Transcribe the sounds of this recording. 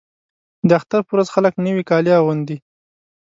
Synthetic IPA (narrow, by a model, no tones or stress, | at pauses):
d̪əaxt̪aɾpəwɾazxaləknəwikɑliawand̪i